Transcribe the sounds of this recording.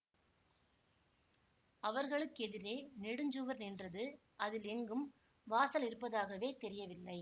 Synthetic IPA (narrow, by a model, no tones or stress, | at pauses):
ɐʋɐɾɣɐɭɯkːɛðɪɾeːnɪɽɯɲd͡ʒɯʋɐɾnɛndrɐðɯ | ʔɐðɪlɛŋɡɯm | ʋaːsɐlɪɾɯpːɐðaːɣɐʋeːt̪ɛɾɪjɐʋɪlːɐɪ